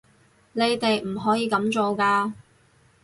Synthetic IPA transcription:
ne˨˧jt̪e˨jm̩˨˩ɦɔː˨˥jiː˨˧kɐ˨˥mt͡so˨wkaː˧

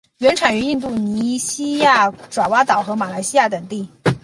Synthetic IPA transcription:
ɥɛ˧˥nʈ͡ʂʰa˨˩ny˧˥ni˥˧nt̪̬u˥˩ni˧˥ɕi˥ja˥˩ʈ͡ʂwa˨˩wa˥t̪ɑ˨˩ʊxɤ˧˥ma˨˩la˧˥ɪɕi˥ja˥˩t̪ə˨˩ŋt̪i˥˩

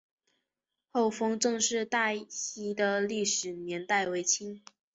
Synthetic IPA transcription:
xo˥˩ʊfɤ˥ŋʈ͡ʂɤ˥˧ŋʂɻ̩˥˧t̪a˥˧ɕi˧˥d̪ə˨li˥˩ʂɻ̩˨˩njɛ˧˥nt̪a˥˩ɪwe˧˥ɪt͡ɕʰi˥n

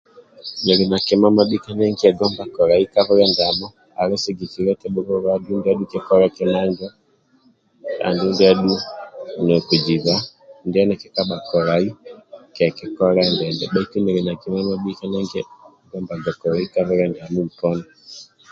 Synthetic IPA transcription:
nɛ˨ɾi˨na˨kɛ˨ma˦ma˦ɓi˦ka˦nɛ˦ŋɡi˦ɛ˨ɡɔ˦mba˨kɔ˨ɾa˨i˦ka˦βɛ˦ɾɛ˦nda˨mɔ˦ | a˨ɾɛ˦sɛ˨ɡi˨ti˨ɾɛ˦tɛ˦ɓu˦ɾɔ˦βa˦ɗu˦ndɛ˦a˦ɗu˦kɛ˦kɔ˦ɾɛ˦kɛ˦na˦ɲd͡ʒɔ˦ | a̰˨ndu˦ndɛ˦a˦ɗu˦nɛ˨ku˨d͡ʒi˨βa˦ndɛ˦nɛ˨kɛ˦ka˦ɓa˨kɔ˨ɾa˨i˦kɛ˨kɛ˨kɔ˦ɾɛndɛ˨ndɛ˨ɓa˦i˦ku˦mɛ˨ɾi˨na˨kɛ˨ma˦ma˦ɓi˦ka˦nɛ˦ŋɡɛ˦ | ɡɔ˦mba˨ɡa˨kɔ˨ɾa˨i˦ka˦βɛ˦ɾɛ˨nda˨mu˦m̩˨tɔ˦na˨

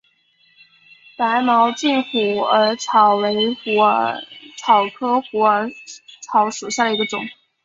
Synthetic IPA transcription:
pa˧˥ɪmɑ˧˥ʊt͡ɕi˥˩nxu˨˩ə˧˥ʈ͡ʂʰɑ˨˩ʊwe˧˥ɪxu˧˥ʈ͡ʂʰɑ˨˩ʊkʰɤ˥xu˧˥ə˧˥ʈ͡ʂʰɑ˧˥ʊʂu˨˩ɕja˥˩d̪ə˩i˧˥ɡə˧ʈ͡ʂʊ̰˨˩˦ŋ

